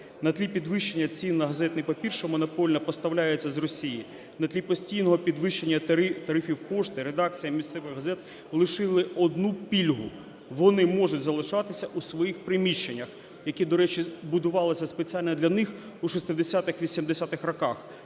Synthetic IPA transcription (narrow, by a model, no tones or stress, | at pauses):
nɐt̪lʲipʲid̪ʋɪʃt͡ʃenʲːɐt͡sʲinːɐɦɐzɛt̪nɪpɐpʲirʃɔmɔnɔpɔlʲnɐpɔst̪ɐwlʲajet͡sʲːɐzrɔsʲiji | nɐt̪lʲipɔsʲtʲijnɔɦɔpʲid̪ʋɪʃt͡ʃe̞nʲːɐt̪ɐɾɪfʲiwpɔʃt̪ɪɾed̪ɑk̚t͡sʲijɐmʲist̪sɛʋɪɣɦɐzɛt̪ | lˠɪʃɪlˠɪɔd̪nupʲilʲɦʊ | ʋɔnɪmɔʒʊtʲzɐlˠɪʃɑt̪ɪsʲɐʔusʋɔjixpɾɪmʲiʃt͡ʃːe̞nʲːɐx | jɐkid̪ɔɾɛt͡ʃibʊd̪ʊʋɑlˠɔsʲɐspet͡sʲialʲnɛd̪lʲɐnɪx | uʃɔst̪ɪd̪esʲat̪ɪxʋʲisʲimd̪esʲat̪ɪxrɔkɑx